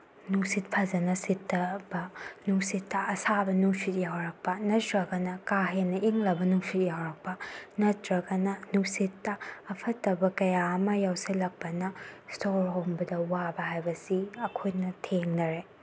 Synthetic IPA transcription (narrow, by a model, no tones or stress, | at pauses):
nuŋsit̚pʰɐzɐnɐsitːɐbɐnuŋsitːɐɐsabɐnuŋsit̚jawɾɐk̚pɐnɐtɾɐɡɐnɐkaɦenːɐʔiŋlɐbɐnuŋsit̚jawɾɐk̚pɐnɐtɾɐɡɐnɐnuŋsitːɐːpʰɐtːɐbɐkɐjaɐmɐjawsilɐk̚pɐnɐstoɾhombɐdɐwabɐɦajbɐsiɐkʰojnɐtʰeŋnɐɾe